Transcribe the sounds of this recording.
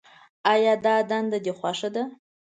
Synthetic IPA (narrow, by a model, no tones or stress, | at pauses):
ajadaːdandadiχʷaʂada